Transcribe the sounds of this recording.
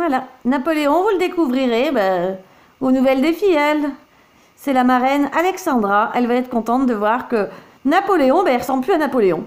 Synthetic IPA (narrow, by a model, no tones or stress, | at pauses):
vwalanapɔleɔ̃vuləd̪ekuvʁiʁeba | onuvɛld̪efijɛl | sɛlamaʁɛnalɛksɑ̃d̪ʁaʔɛlvaɛt̪χəkɔ̃t̪ɑ̃t̪̚d̪əvwaʁkə | napɔleɔ̃bɛɛlʁəsɑ̃bplyanapɔleɔ̃